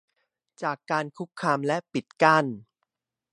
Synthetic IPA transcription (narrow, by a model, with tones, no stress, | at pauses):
t͡ɕaː˨˩kːaː˧nkʰu˦˥kʰːaː˧mlɛ˦˥pi˨˩t̪̚ka˥˩n